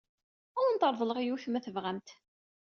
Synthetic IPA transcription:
ʊɾənt̪əɾˤðˤələʁijuθmæθəvʁæmt̪

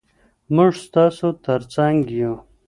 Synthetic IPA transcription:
mʊʐst̪ɑːsot̪əɾt͡saŋɡju

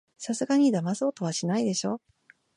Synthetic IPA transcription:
sasɨɡaɲ̟id̪amaso̞ːt̪o̞β̞aɕinaid̪e̞ɕo̞ː

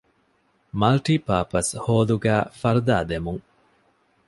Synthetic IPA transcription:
mɐlʈiːpaːpɐshoːluɡæːfɐɾud̪aːd̪emuŋ

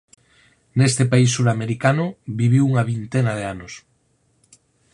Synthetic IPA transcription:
nest̪epaisːuɾameɾikanʊβiβ̞iwuŋaβint̪enað̞eanos

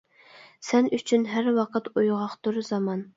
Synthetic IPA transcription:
sɛnyt͡ʃʰynɦæɾwɑqʰət̪ujʁɑqt̪uɾzɑmɑn

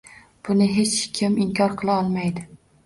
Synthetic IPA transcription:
b̥ʊnɪɦet͡ʃkʲʰɪmɪŋkʲʰɒɾqʰɨlˠaɒlˠmajd̪ɪ

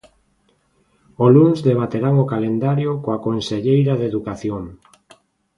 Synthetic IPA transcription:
oluŋzðeβ̞at̪eɾaŋokalend̪aɾjokoakonseʎejɾaðeðukaθjoŋ

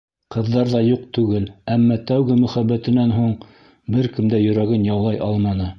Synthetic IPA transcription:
qɤ̆ðːɑɾðɑjuq̚t̪ʉɡɘlæmːɑt̪æwɡɘmɵ̆χæbːæt̪ɘ̆nænɦuɴ | bɘɾkɘ̆md̪æjɵ̆ɾæɡɘnjɑwlˠɑjʔɑlˠmɑnɤ

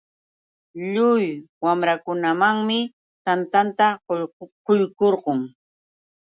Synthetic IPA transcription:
ʎʊjwamɾakʊnamaŋmɪ | t̪ant̪ant̪aqojkoɾɢʊŋ

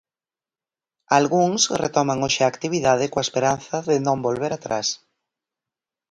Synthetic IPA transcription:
alɣuŋsret̪ɔmaŋoʃaaːkt̪iβ̞iðað̞ɪkoaespeɾanθaðenõmbolβeɾat̪ɾa̰s

